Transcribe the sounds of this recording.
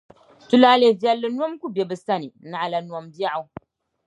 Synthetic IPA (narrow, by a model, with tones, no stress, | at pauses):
tu˦la˦le˨vjɛ˦lːɨ˦nwɔ˦mku˦be˨bɨ˨sa˦ni˨na˨ʔa˨la˨nu˨ɔ˦mba˦a˨˦